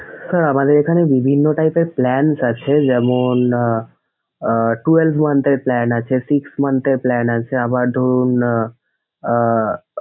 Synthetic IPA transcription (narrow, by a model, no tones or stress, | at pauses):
səɾəmad̪eɾekʰanebibʱinːoʈaipeplɛnsat͡ʃʰed͡ʒɛmun | ʈuelbʰmənt̪eɾplɛnat͡ʃʰesiksmənt̪eɾplɛnat͡ʃʰeabad̪ʱoɾun